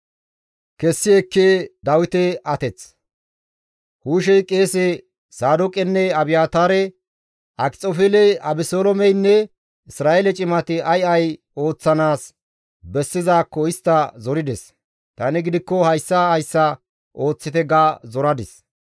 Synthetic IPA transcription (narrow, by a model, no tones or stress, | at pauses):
kɛsːɪɛkːeːd̪ɐwɪt̪ɛɐt̪ɛt͡s | huːʃ̬ɛjkʼe̞ːsɛ | saːd̪ɔkʼɛnːɛɐbɪjaːt̪aːɾɛ | ʔɐkʼt͡sʼːɔfɛlɛɐbɪsoːlɔmɛjnːɛ | ɪsɾaːʔelɛt͡ʃʼɪmɐt̪ɪɐjɐj | o̞ːt͡sːɐnaːs | bɛsːɪzaːkːɔɪst̪ːɐzɔɾɪd̪ɛs | t̪ɐnɪɡɪd̪ɪkːɔhɐjsːɐhɐjsːɐ | ʔo̞ːt͡sːɪt̪ɛɡaːzɔɾɐd̪ɪs